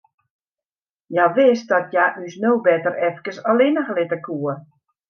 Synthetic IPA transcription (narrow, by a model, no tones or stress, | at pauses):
jaʋɪsdɔtjaʔysnowbɛtərɛfkəsəlɪnəɣlɪtəkʰuə